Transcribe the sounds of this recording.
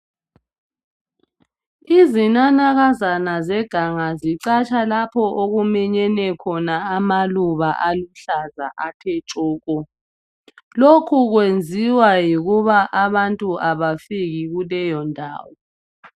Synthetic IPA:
izinanaɣazanazɛɡ̥ʱaŋaziǀat͡ʃʼalapʰɔʔoɣumɛɲɛnɛkʰɔnaːmaluβaʔaluɬaza̰ʔatʰɛt͡ʃʼɔːɣʼɔ | lokʰuɣwend͡zʱiwajiɣuβaʔaβantʼuʔaβafiɣiɣulɛjɔndʱa̰ːwɔ

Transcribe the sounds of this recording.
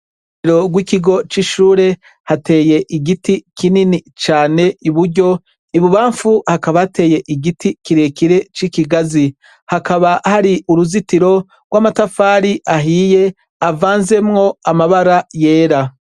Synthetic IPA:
ɾo̞ɡwikiɡo̞t͡ʃiʃuːɾe̞ | hate̞ːje̞ʔiɡitikininit͡ʃaːne̞iβuɾɟo̞ | iβuβaːɱfuhakaβahate̞ːje̞ʔiɡitikiɾe̞ːkiɾe̞t͡ʃikiɡazi | hakaβahaɾiuɾuzitiɾo̞ | ɡwaːmatafaːɾiʔaɦiːje̞ | avaːnze̞mŋo̞amaβaɾaje̞ːɾa

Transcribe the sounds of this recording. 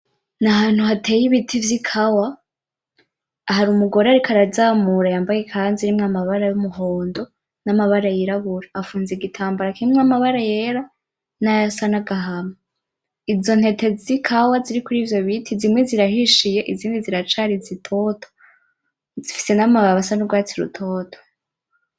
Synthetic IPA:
naɦaːn̥huhatʰe̞ːjiβitʰivjikʰawa | haɾumuɡo̞ɾeaɾikʰaɾazaːmuɾajaːmbajekʰanziɾimŋamaβaɾajumuɦoːndo̞ | namaβaɾajiɾaβuɾaafuːnzeɡitʰaːmbaɾakiɾimŋamaβaɾaje̞ɾa | najasanaɡaɦama | izo̞n̥he̞te̞zikʰawaziɾikuɾiːvjo̞βitʰizimŋe̞ziɾaɦiʃije̞ʔiziːndiziɾat͡ʃaɾizitʰo̞tʰo̥ | zifi̥se̞namaβasanuɡwaːt͡siɾṵtʰo̞ːtʰo̥

